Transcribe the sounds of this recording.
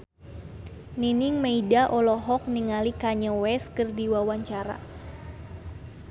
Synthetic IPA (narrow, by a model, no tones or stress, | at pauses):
niniŋmeidaʔɔlɔɦɔk̚niŋalikaɲəwɛskɨrdiwawaɲt͡ʃaɾa̰